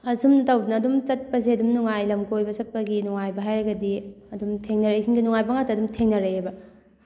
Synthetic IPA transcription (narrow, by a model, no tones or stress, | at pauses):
ɐsumtɐwbnɐːdumt͡ʃɐt̚pɐs̬eɐdumnuŋajlɐmkojbɐsɐt̚pɐɡinuŋajbɐɦajɾɐɡɐdi | ɐdumtʰeŋnɐɾɐjsʰinɡinuŋajbɐŋatːɐdumtʰeŋnɐɾɐebɐ